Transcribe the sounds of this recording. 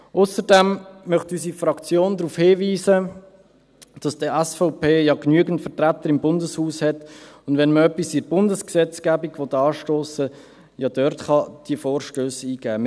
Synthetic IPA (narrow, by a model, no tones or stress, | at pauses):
ʔʊsəɾdɛmmœχtysiːfɾɑkt͡sjoːndɾuːfhɪːviːsə | d̥ɑsd̥əæsfɔʊpeːjɑknyəɡən̩tfətɾæt̪ːəɾɪmbʊndəshuːshɛtʊndʋɛnməœpːisiɾb̥ʊndəsksɛt͡skæːbiɡʋɔtɑːʃtoːsə | jɑd̥œɾtχɑd̥iəfoːɾʃtøːsiːɡ̥æː